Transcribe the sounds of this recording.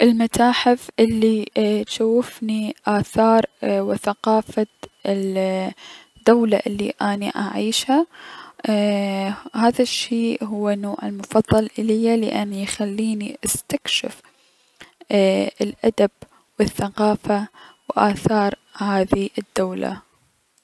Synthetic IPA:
ʔɪlmat̪aːħɪfʔɪlːit̪ʃawːɪfniʔaːθɑːɾˤwɪθaqɑːfa | d̪̥ːawlaʔɪlːḭʔaːniʔaʕiːʃha | haːðaʃːeːʔɦʊwːanoːʕɪlmʊfɑðˤːɑlʔɪlɪjːalɪ̰ʔanːjxalːiːniʔast̪akʃɪ̰f | ɪlʔad̪ab̥̚ | wɪθːaqɑːfawʔaːθɑːɾˤhaːðiʔɪd̪̥ːawla̰

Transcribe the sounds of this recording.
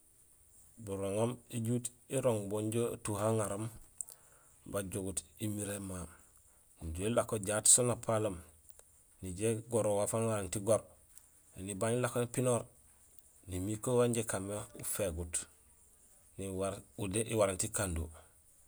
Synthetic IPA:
buɾoŋomiɟuːt | iɾoŋboɲɟo̰tuɦaŋaɾom | baɟoɡutimiɾema | ɟolakoɟaːtsonapʰalom | niɟeɡoɾowafanwaɾantiɡoɾ | enibaɲilakonipinoɾ | nimikowaɲɟekameufeɡut | niwaudeʔiwaɾantikandṵ

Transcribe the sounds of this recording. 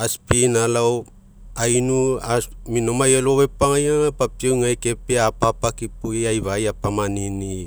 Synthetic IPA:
aspinalaw | ajnuaminomajeloβepaŋajaŋapap̚tewŋajke̞peapapakipuɡiajβajapamanini

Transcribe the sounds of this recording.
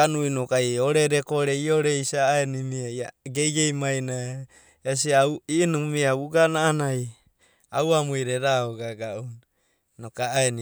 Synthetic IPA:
anuinokaioɾeɾekoɾeioɾeisaːenimiajaɡejɡejmajna | es̬iauinumiauɡanaːnaj | a̰uamujɾeɾaoɡaɡaʔun | nokaːeni

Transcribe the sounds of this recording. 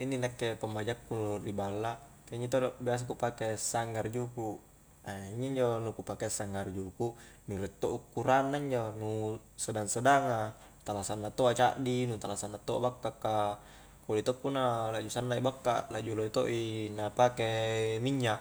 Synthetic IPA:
inːinakːepambad͡ʒakːuuribalːakeɲit̪̬obias̬akupakesaŋːard͡ʒuku | aiɲiɲd͡ʒonukupakesaŋːard͡ʒuku | nilɛt̪ːoʔukːuɾanːaiɲd͡ʒonu | sədaŋsadaŋa | t̪alasanːat̪oat͡ʃa̰ʔdinut̪alasanːat̪oʔa̰bakːakːa | kolit̪okːunalad͡ʒusanːaibakːa̰lad͡ʒuloit̪oʔinapakemiɲːa

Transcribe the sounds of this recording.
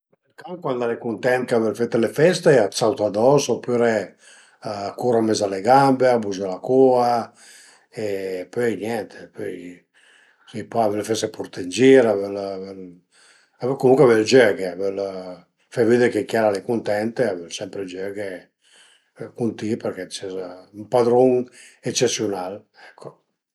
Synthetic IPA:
elkaŋkwand̪alekunt̪ɛnt̪avɛlfet̪ːelefɛst̪eat̪sawt̪ad̪ɔsopyɾe | kuɾamezaleɡambeabuzalakoa | epøjnjɛnt̪ʰe̥pøj | sijpaavɛlfɛst̪epuɾt̪end͡ʒiɾavɛlvɛl | avkomuŋkweavɛld͡ʒøɡeavɛl | favid̪ekekjaɾalekunt̪ɛnt̪eavɛlsɛmpɾeld͡ʒøɡe | kunt̪iperkɛt͡ʃɛzumpad̪ɾoŋet͡ʃesjunal | ɛkʰːo

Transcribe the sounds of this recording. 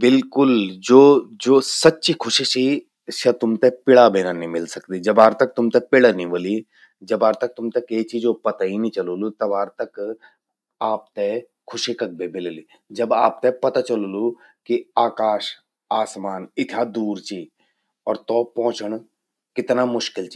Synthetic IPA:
bɪlkʊld͡ʒoːd͡ʒoːsɐtːʃikʰʊʃisi | ʃɐt̪ʊmt̪epɪɽabeːnanĩmɪlsəkd̪id͡ʒɐbaːɾt̪ɐk̚t̪ʊmt̪epɪɽanĩʋoli | d͡ʒɐbaːɾt̪ɐk̚t̪ʊmt̪ekeːt͡ʃʰid͡ʒopɐt̪ainĩt͡ʃɐloːlut̪ɐbaːɾt̪ɐk | aːp̚t̪e | kʰʊʃikɐk̚bebɪleli | d͡ʒɐba̰ːp̚t̪epɐt̪at͡ʃɐlolu | kiaːkaːʃ | aːsmaːnɪt̪ʰad̪uːɾt͡ʃi | ɔːɾt̪ɔːpɔ̃ːt͡ʃəɳ̃ | kɪt̪namʊʃkɪlt͡ʃi

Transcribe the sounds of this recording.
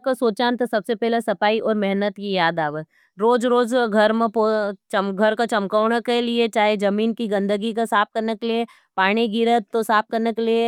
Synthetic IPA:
kasoːt͡ʃaːnt̪ɐsɐbsepɛɦlesɐpaːiʔɔːɾmɛɦnət̪kijaːd̪aːʋə | ɾoːd͡ʒɾoːd͡ʒɡʱɐɾmẽpot͡ʃɐmɡʱɐɾkat͡ʃɐmkaːʊɽ̃əkeliet͡ʃaːɦed͡ʒɐmiːnkiɡɐ̃nd̪ʱəɡikasaːp̚kɐɾnəkelie | paːɽ̃iɡɪɾət̪ːosaːp̚kɐɾnəkelie

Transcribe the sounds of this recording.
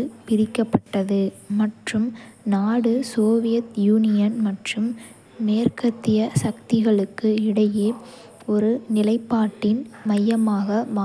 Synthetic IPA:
ɯpɪɾɪkːɐpːɐʈːɐðɯmɐʈrɯmnaːɽɯsoːʋɪjɐt̪juːnɪjɐnmɐʈrɯmː | eːrkɐt̪ːɪjɐsɐk̚t̪ɪɣɐɭɯkːɯɪɽɐjeː | ɔɾɯnɪlɐɪpːaːʈːɪnmɐjːɐmaːɣɐmaː

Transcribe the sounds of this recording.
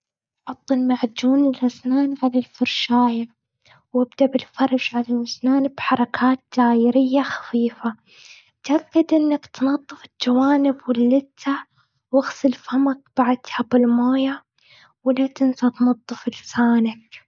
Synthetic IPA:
ʕʊt̪ˤːɨlmaʕd͡ʒuːnɪlʔasnaːnʕalalfɑɾˤʃaːja | wɪbd̪abɪlfɑɾˤɑʒʕalalmasnaːnbħɑɾˤɑkʰaːt̪̚d͡ʒaːjɪɾɪjːaxḁfiːfa | t̪ʔakːad̪ʔɪnːakt̪nɑd̪ˤːɨfɪld͡ʒawaːnɪbwɪlːɪt̪ːa | wɪɣsˤɪlfamak̚b̥aʕd̪habɪlmaːja | wɪlat̪ɪnsat̪nɑd̪ˤːɨfɪlsaːnak̚

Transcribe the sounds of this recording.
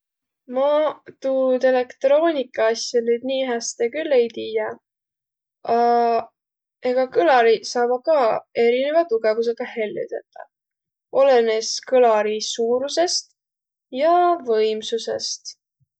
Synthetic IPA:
mɑt̪uːt̪e̞le̞kt̪ro̞ːnʲikːˑɑɑsʲjɑnyːd̪̥niːɦæst̪ekylːejt̪iːjɑ | ɑ | eɡ̥ɑkɯlɑɾisɑːbɑkɑːe̞ɾine̞vɑt̪uɡ̥e̞vus̬e̞ɡ̥ɑhe̞lʲːṵt̪et̪ːˑɑ̰ | ʔo̞leneskɯlɑɾisuːɾuse̞st̪ | jɑvɤjmsuse̞̰st̪

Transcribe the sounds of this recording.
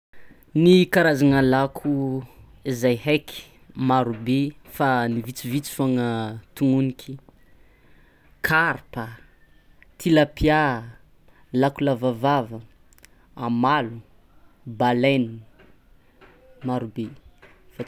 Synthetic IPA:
nikaɾazanalakʰu | izajɦekʰi̥ | maɾubefanivit͡sivit͡si̥foŋət̪uŋunikʲʰi | kʰaɾpə | t̪ʰilapʰja | lakulavavavə | amalu | baleni | maɾube | fa

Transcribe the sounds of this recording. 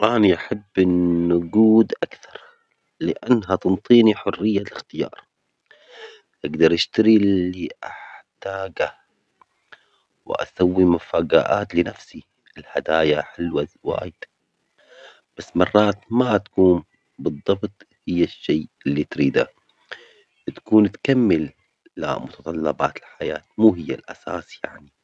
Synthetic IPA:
ʔaniʔaħabːɪnːʊɡuːd̪ʔakθɑɾˤ | lɪʔanːɦat̪ɨnt̪ˤiːniħʊrːɪjːalɪxt̪ɪjɑ̰ːɾˤ | ʔ̪ɪɡd̪ɑɾˤʔaʃt̪aɾilːiʔaħt̪aːɡa | wɪ̰ʔa̰sawːimafaːɡa̰ːʔa̰ːt̪lɪnafsi | ɪlhad̪aːjaħɪlwawa̰ːjd̪̥ | b̥asːmɑrˤːɑːt̪mat̪ḁkuːn | bɨðˤːɑbt̪ˤhɪjːaʃːeːɪlːit̪ɾiːd̪a̰ | wɪt̪kuːnt̪kamːɪlː | a̰mʊt̪ɑt̪ˤɑlːɑba̰ːt̪ɪlħajaːt̪̚muːɦɪjːalʔa̰sa̰ːsja̰ʕni

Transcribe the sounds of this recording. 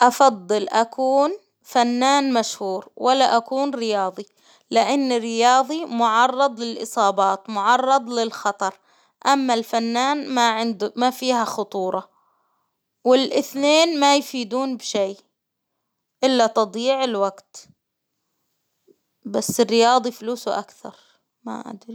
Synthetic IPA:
ʔɑfɑd̪ˤːɨlʔakʰuːn | fanːaːnmaʃhuːɾwʔalːaʔakuːnɾɪjɑːðˤi | lɪʔanːɪrːɪjɑːðˤimʊʕɑrˤːɑd̪ˤlɪlʔɨsˤɑːbɑːt̪mʊʕɑrˤːɑd̪ˤlɪlxɑt̪ˤɑɾˤ | ʔamːalfanːaːnmaʕɪnd̪mafiːhaxʊt̪ˤuːɾˤɑ | wɪlʔɪθneːnmajfiːd̪uːnbʃeː | ʔɪlːat̪ɑd̪ˤiːʕɪlwaɡt̪ | basːɪrːɪjɑːðˤifluːsuʔa̰kθɑ̰ɾˤ | ma̰ʔa̰d̪ɾi

